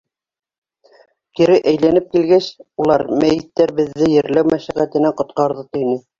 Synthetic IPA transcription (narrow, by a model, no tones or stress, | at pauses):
t̪iɾɘʔæjlænɘp̚kilɡæɕulˠɑɾmæjɘ̆t̪ːæɾbɘ̆ðːɘjɘ̆ɾlæwmæʃæʁæt̪ɘ̆næqŏt̪̚qɑɾðɤt̪ɤ̆jnɘ